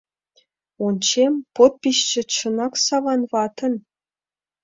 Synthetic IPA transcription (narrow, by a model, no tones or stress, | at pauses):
ont͡ɕempot̪̚piɕt͡ɕə̆t͡ɕɤ̆nɑksɑβɑnvɑt̪ə̆n